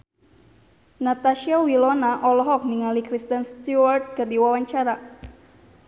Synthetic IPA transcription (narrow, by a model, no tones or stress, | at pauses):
nat̪aʃiawilɔnaʔɔlɔɦɔk̚miŋalikɾist̪ənst̪uwart̪̚kərdiwawaɲt͡ʃaɾa